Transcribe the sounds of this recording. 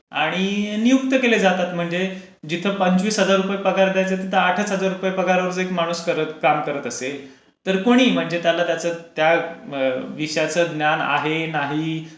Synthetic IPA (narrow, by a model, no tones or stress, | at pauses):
aɽ̃inijukt̪əkeled͡zat̪at̪m̤əɳd͡ze | d͡ʑit̪ʰəːpəɲt͡sʋiːsɦəd͡zaɾːupajpəkaɾd̪jajt͡set̪it̪ʰəaʈʰət͡sɦəd͡zaɾːupajepəkaɾʋəɾt͡səekmaɽ̃uskəɾət̪kamkəɾət̪əse | t̪əɾkoɽ̃iːm̤əɳd͡zet̪jalat̪jat͡sət̪ja | ʋiʂəjat͡səd̪njana̰ɦenaɦi